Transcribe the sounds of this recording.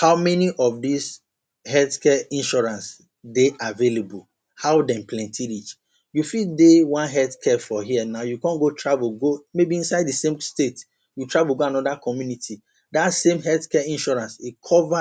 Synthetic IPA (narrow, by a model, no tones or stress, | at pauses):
haʊmɛniʔɔfdis | hɛlθkɛĩnʃɔɹãns | deʔavelebul | haʊdɛ̃nplɛ̃ntʰiɹit͡ʃ | jufildewãnɦɛlθkʰɛfɔɦiɛnaʊjukɔ̃nɡotʰɹavulɡomebiĩnsaɪddəsẽmstet | jutʰɹavulɡoanɔdakʰɔmjunitʰi | datsẽmɦɛlθkɛĩnʃɔɹãnsikʰɔva